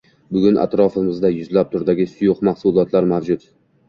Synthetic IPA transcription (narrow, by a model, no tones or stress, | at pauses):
bʊɡʲʊnʔa̰t̪ɾɒfɪmɪzd̪ajʊzlap̚t̪ʰʊɾd̪aɡʲɪsʊjʊqmahsʊlˠɒt̪ʰlaɾmavd͡ʒʊt̪